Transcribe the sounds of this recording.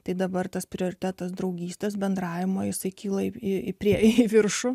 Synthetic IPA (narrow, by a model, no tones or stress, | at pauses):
t̪ɐɪd̪ɐbɐrt̪ɐspʲɾʲɪoːɾʲɪt̪ʲæːt̪ɐsd̪ɾɐʊɡʲiːsʲt̪ʲesbʲɛnd̪ɾɑːʋʲɪmoːjɪsɐɪkʲiːlˠɐɪɪɪpʲɾʲiɛɪɪʋʲɪrʃʊ